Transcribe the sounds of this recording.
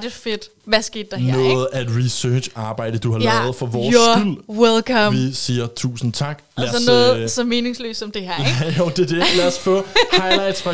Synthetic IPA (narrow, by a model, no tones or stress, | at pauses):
d̥efe̝d̥ | ʋæsɡ̥e̝̰ːd̥ːɑ̈hnæ̰ɔ̽ːð̩ˠæe̝d̥ʁisø̥ːɑ̈ːb̥ɑ̈ɪ̰d̥əd̥uhɑ̈lɛð̞̩ˠfɒʋɒːɡyl̰welkʰɐmisiːɐt͡sʰṵːsn̩t͡sʰɑ̈ɡ̥læsɒnɔ̽ːð̩ˠsɒ̽me̝ːne̝ŋslø̰ːsɒ̽md̥e̝ɦæɐ̰eɡ̥oʊd̥e̝d̥elæɐsfɔ̰̽ːhɑ̈ɪlɑ̈ɪd̥sfʁɑ